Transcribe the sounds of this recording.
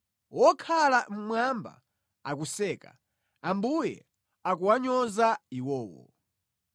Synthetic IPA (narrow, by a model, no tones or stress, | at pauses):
wɔkʰalam̩mwamba̰ | ak̬usɛːka̰ | ambujɛ̰ | ak̬uwaɲɔzaiwɔːwɔ̰